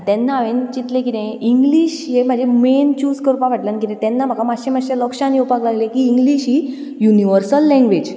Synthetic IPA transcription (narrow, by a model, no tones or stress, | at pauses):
t̪ɛ̃nːaːʋent͡ɕit̪lẽkit̪ẽiŋɡliɕjem̤ad͡ʑʱement͡ɕuskəɾpaʋ̤aʈlankit̪ẽt̪ɛ̃nːam̤akʰamaɕem̤aɕẽlɔkɕãniupaklaɡlẽkiːŋɡliɕɦi | juniʋəɾsəlːɛ̃ŋɡʋed͡ʑ